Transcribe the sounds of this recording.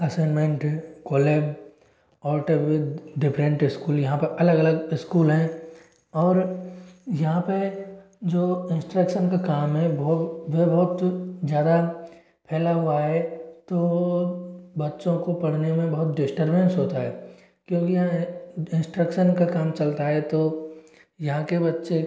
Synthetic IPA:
ɐseːnmẽɳʈkoːleːb | ɔːʈebɖɪpʰɾə̃ɳʈɪskuːljɐɦãpɐʔɐləɡɐləɡɪskuːlɦɛ̃ | ɔːɾ | jɐɦãpɐ | d͡ʒoːɪ̃nsʈɾəkʃənkakaːmɦɛbʋebɐɦʊt̪zjaːd̪a | pʰɛːlaɦuaɦɛt̪o | bɐtːʃõkopɐɽ̤nemẽbɐɦʊt̪ɖɪsʈəɾbə̃nsɦoːt̪aɦɛː | kjõːkijɐɦãɪ̃nsʈɾəkʃənkakaːmt͡ʃɐlt̪aɦɛt̪o | jɐɦãkebɐtːʃe

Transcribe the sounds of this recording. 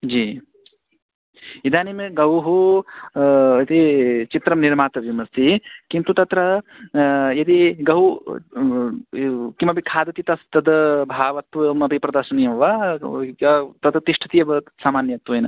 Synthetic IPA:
d͡ʒiː | id̪ʱaːnimɡɐwɦu | ɐt̪it͡ʃit̪ɾɐmniɾmaːt̪ɐʋimɐst̪ikint̪ut̪ɐt̪ɾɐ | jɐt̪iɡɐw | kimɐbikʰaːd̪ɐt̪it̪ɐst̪ɐd̪ɐbʱaːʋɐt̪ʋɐmɐbʱipɾɐd̪ɐɾʃɐnijɐmʋɐ | ɐt̪ɐd̪ɐt̪iʂʈʰɐ̥t̪ijɐbɐsaːmaːnjɐt̪ʋɐjnɐ

